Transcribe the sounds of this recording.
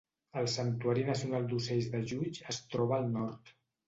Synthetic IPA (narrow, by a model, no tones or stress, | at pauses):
əlˠsənt̪uaɾinəsiunalˠd̪usɛʎzðəʒut͡ʃəst̪ɾɔβəːlˠnɔɾt̪